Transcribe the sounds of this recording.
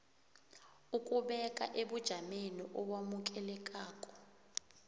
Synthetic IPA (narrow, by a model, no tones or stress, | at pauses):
ukʼuɓɛkʼa̰ʔeɓud̥ʒ̥ʱameniʔɔɓwamuk̬ʼɛlɛkʼaːkʼɔ̥